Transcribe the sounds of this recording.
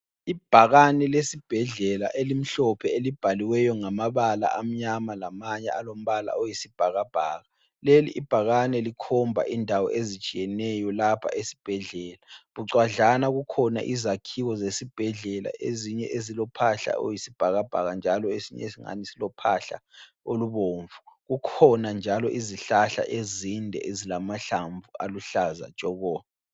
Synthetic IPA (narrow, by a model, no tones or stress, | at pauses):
ib̥ʱaɣanɛlesib̥ʱɛɮɛla̰ʔelim̩ɬɔpʰɛelib̥ʱaliwɛjɔŋamaβala̰ʔam̩ɲamalamaɲɛ̰alom̩βala̰ojisib̥ʱaɣab̥ʱaːɣa | lelḭʔːb̥ʱaɣanɛlikʰɔmbʱa̰ʔindʱawɔ̰ʔezit͡ʃʼijɛnɛjɔlapʰa̰ʔesi̥b̥ʱɛɮɛːlaβuǀwaɮanaɣukʰɔna̰ʔizakʰiɣɔzesib̥ʱɛɮɛla̰ʔeziɲɛʔezilɔpʰaɬa̰ʔo̰jisib̥ʱaɣab̥ʱa̰ɣand͡ʒʱalɔesiɲɛ̰esiŋa̰nisilɔpʰaɬa̰ | oluβoːɱvuɣukʰɔnand͡ʒʱalɔʔiziɬaɬa̰ʔezindʱɛ̰ʔezilamaɬaɱvuʔaluɬaza̰d̥ʒ̥ʼʱɔɣɔːβa